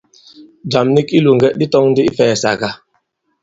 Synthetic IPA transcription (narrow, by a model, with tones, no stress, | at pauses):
d͡ʒa˨mni˦ki˦lu˨ŋɡɛ˦ʔdi˦tɔ˦ŋn˦di˦i˦fɛː˨sa̰˨ɡa˦